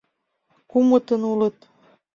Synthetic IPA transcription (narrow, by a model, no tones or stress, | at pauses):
kumət̪ənulət̪